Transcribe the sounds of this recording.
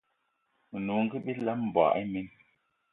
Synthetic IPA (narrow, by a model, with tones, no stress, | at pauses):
nu˨ŋ̩˦ɡi˦ɓi˦la˦mm̩˨bwa̰˨ʔi˦mi˦n